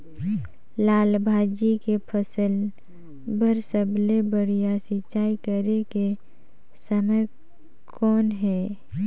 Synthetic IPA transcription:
laːlbʱaːd͡ʒikepʰəsəl | bəɾsəblebəɾijasɪt͡ʃaːikəɾeke | səmə | kʰɔːnɦɛː

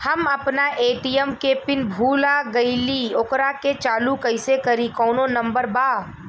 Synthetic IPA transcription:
hɐmɐpnaʔeːʈiəmkepɪnbʱuːlaɡɐiliokɾaket͡ʃaːlukɐɪsekɐɾikɔːnonɐ̃mbəɾbaː

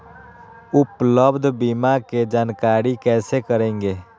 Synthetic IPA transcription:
ʊpləbd̪ʱbiːmaked͡ʒaːnkaːɾikɛːsekəɾẽːŋɡeː

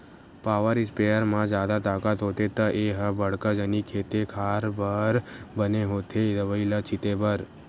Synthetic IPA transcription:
paːʋəɾɪspeəɾmãd͡ʒaːd̪at̪aːkat̪ɦot̪et̪əʔeɦəbəɽkəd͡ʒənikʰeːt̪ekʰaɾbəɾbəneɦot̪ʰed̪əʋəilət͡ʃʰɪt̪ebəɾ

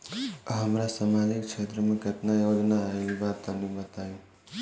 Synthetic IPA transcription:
ɦəmɾasamad͡ʒɪkt͡ʃʰet̪ɾəmẽɡʱət̪najod͡ʒnaibat̪ənibət̪ajũ

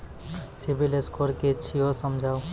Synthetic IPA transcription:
sibileskoɾket͡ɕʰiosɔmd͡ʒʱaw

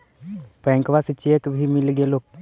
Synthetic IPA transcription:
pɛ̃ːŋkʋast͡ʃeːkbʱimɪlɡeloːk̚

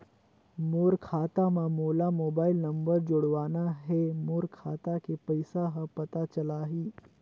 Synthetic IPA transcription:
moːɾkʰaːt̪amãmoːlamoːbaːɪlnəmbəɾd͡ʒoɽʋaːnaɦemoːɾkʰaːt̪akepəɪsaɦəpət̪at͡ʃəlaːɦiː

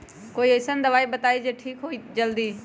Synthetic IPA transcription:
koːiesənd̪ɐʋaːibɐt̪aːid͡ʒeːʈʰiːkɦoːid͡ʒɐld̪iː

